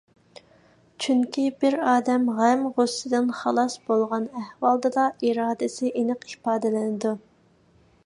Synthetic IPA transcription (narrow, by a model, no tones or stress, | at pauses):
t͡ʃʰyŋkʲibɪɾɑːd̪ɛmʁæmʁʊsːɪd̪ɪnχɑlˠɑsb̥olˠʁɑnɛhwɑlˠd̪ɨd̪ɑiɾɑːd̪ɪsɪʔenɨqi̥pɑːd̪ɪlɪnɪd̪u